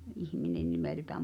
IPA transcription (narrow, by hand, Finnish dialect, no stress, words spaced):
ʔihminen nimeˑltæːm